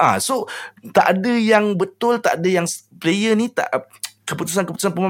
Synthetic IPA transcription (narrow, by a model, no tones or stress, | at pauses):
ʔa̰sot̪aʔadəjaŋbət̪ʊlt̪a̰ʔadəjaŋsplejənit̪a̰ʔ | kəput̪us̬ankəput̪usanpəma